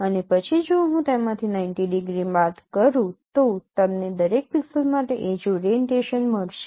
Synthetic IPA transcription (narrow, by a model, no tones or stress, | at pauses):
ənepət͡ʃʰid͡ʒoɦũt̪emãt̪ʰinaɪnʈiɖiɡɾibat̪kəɾũt̪ot̪əmned̪əɾek̚piksəlmaʈeʔed͡ʒuɾeɳʈeʃənməɽʃe